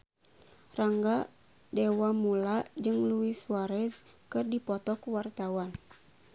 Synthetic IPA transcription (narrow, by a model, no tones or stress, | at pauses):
raŋɡa | dɛwamulad͡ʒɨŋluiswaɾɛs | kɨrdipɔt̪ɔkuwart̪awan